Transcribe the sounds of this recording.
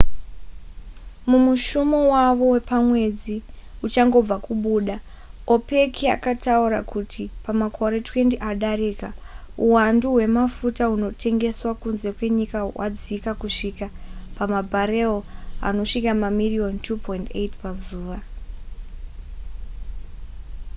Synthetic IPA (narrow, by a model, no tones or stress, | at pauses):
mumuʃumowaʋo̞we̞pamwe̞d͡zi | ut͡ʃaŋɡo̞b͡vakuɓuːɗa | o̞pe̞kʰia̰katauɾa̰kutʰipamakʰo̞ɾe̞twe̞ndiʔaɗaɾeːkauwanduɦwe̞mafutauno̞tʰe̞ŋɡe̞swakunze̞kwe̞ɲikawa̰d͡zikakuʂikapamabʱaɾe̞oa̰no̞ʂikamamirio̞ntʰupʰointḛtpazuːʋa